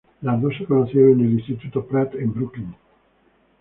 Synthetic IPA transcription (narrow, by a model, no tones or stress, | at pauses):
lad̪oʃakonasjoːnenelːist̪it̪uːt̪opɾɛt̪imbɾuklin